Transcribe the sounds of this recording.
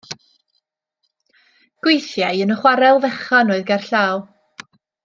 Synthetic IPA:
ɡ̥wejθjajənəχwaɾɛlˠvɛχanoːɨðɡarɬaːw

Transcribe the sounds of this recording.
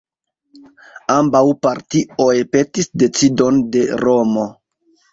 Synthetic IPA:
ambawpaɾtio̞jpe̞tisde̞t͡sido̞nde̞ɾo̞mo̞

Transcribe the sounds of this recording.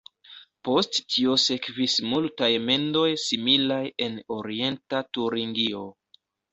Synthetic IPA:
po̞stːʰio̞se̞kvismultajme̞ndo̞jsimilaje̞no̞ɾie̞ntatuɾiŋɡio̞

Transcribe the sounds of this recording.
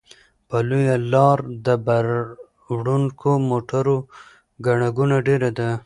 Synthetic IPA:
palujalɑɾd̪əbaɾ | wɽuŋkomoʈaɾo | ɡaɳaɡunaɖeɾad̪a

